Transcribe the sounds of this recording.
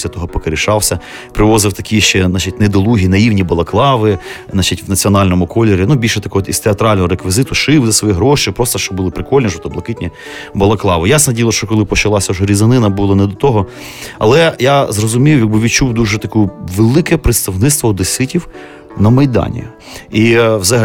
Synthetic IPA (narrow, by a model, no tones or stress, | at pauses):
sʲɐt̪ɔɦɔpɔkeɾʲiʃɑwsʲɐ | pɾɪʋɔzɪwt̪ɐkʲiʃt͡ʃɛnɑt͡ʃitʲnɛd̪ɔlˠuɦʲinɐiwnʲibɐlˠɐklˠɑʋɪ | nɑt͡ʃitʲwnɐt͡sʲiɔnɑlʲnɔmʊkɔlʲːeɾʲinubʲilʲʃɛt̪ɐkɔɦɔt̪ist̪eɐt̪ɾɑlʲnɔɦɔɾekʋʲizɪt̪ʊʃɪwzɐsʋɔjiɦɾɔʃɪjpɾɔst̪ɔʃt͡ʃɔbʊlˠɪpɾɪkɔlʲnʲiʒɔt̪ɔblˠɐkɪtʲnʲi | bɐlˠɐklˠɑʋɪjasnɐdʲijlˠɐʃt͡ʃɔkɔlˠɪpɔt͡ʃɐlˠɑsʲɐuʒɛɾʲizɐnɪnɐbulˠɐnɛd̪ɔt̪ɔɦɔ | ɐ̰lˠɛjazrɔzʊmʲijʊjɐɡ̚bɪʋʲit͡ʃuwd̪uʒɛt̪ɐkuʋelˠɪkɛpɾɪt̪st̪ɐʋnɪt̪st̪ʋɔːd̪ɪsɪtʲiw | nɐmɐjd̪ɑ̰nʲḭ | iwzɐɐ